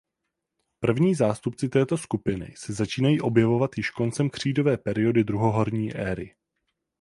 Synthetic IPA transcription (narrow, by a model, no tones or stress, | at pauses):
pr̩vɲiːzaːst̪upt͡sɪt̪ɛːt̪o̞skupɪnɪ̰sɛzat͡ʃiːnajiːʔo̞bjɛvo̞vat̪jɪʃko̞nt͡sɛmkr̝̥iːdo̞vɛːpɛɾɪo̞dɪd̪ɾuɦo̞ɦo̞ɾɲiːʔɛːɾɪ̰